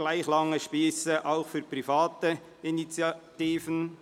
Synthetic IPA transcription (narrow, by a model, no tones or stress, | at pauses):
laɪxlɑŋːəʃpiːsəʔaʊxfyːpʁifɑːtə | init͡sjɑt̪iːfən